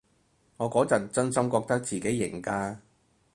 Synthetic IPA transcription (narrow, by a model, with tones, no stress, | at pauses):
ŋɔː˨˧kɔː˨˥t͡sɐ˨nt͡sɵ˥nsɐ˥mkɔː˧k̚t̪ɐ˥k̚t͡siː˨ke˨˥jːɪ̰˨˩ŋkaː˧